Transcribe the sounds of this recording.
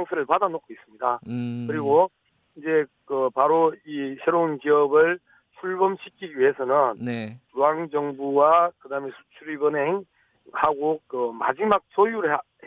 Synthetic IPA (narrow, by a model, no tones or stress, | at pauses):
ŋsʰeɾɯɭpadanokʰois͈ɯmɲidakɯɾiɡo | ind͡ʑe̞ | kɯpaɾoisʰeɾounkiʌbɯɭ | t͡ɕʰuɭbʌmɕʰikʰiɡiɥiɦe̞sʰʌnɯnetuaŋd͡ʑʌŋbuwakɯdaɯmesʰu̥t͡ɕʰuɾibɯnɦe̞ŋ | haɡokɯma̰d͡ʑimak̚sʰojuɾɯ